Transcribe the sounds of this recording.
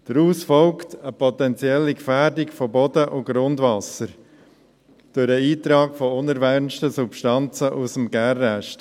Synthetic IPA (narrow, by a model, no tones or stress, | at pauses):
d̥əɾuːsfɔlktəpɔtɛnt͡sjɛlːikfæːɾdɪkfobɔdəʔʊɡ̥ɾʊndvɑsəɾ | d̥ʊɾəiːtɾɑːkfɔʊnəɾvɛɾnʃtəsupʃtɑnt͡səʔusəm̩ɡɛrːɛʃt